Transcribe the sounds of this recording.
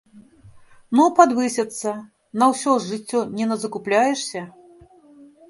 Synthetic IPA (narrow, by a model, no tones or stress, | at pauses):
nupad̪vɨsʲɐt̪sːɐ | nɐwsʲɔʐɨt͡sʲːɔnʲɛnɐzɐkuplʲajɛʂsʲɐ